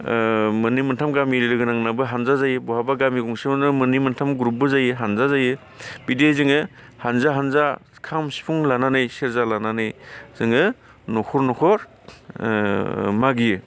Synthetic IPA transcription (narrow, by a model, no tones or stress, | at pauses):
mɯnimɯntʰamɡamiɾilɯɡɯnaŋnabɯɦanzazajɯbɔhabaɡamiɡuŋsinɯmɯnimɯntʰamɡɾup̚bɯzajɯɦanzazajɯ | bidezɯŋɯ | hanzaɦanzakʰamsi̥pʰuŋlananɯjseɾzalananɯjz̥ɯŋɯ | nɔkʰɔɾnɔkʰɔɾ | maɡijɯ